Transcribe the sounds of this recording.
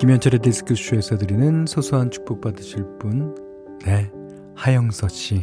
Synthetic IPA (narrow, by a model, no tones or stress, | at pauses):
kimjʌnt͡ɕʰaɾedesʰɯ̥kʰɯɕʰue̞sʰʌdɯɾinɯnsʰosʰuant͡ɕʰu̥k̚p͈ok̚p͈adɯɕʰiɭp͈un | ne̞ | hajʌŋsʰʌɕ͈ʰi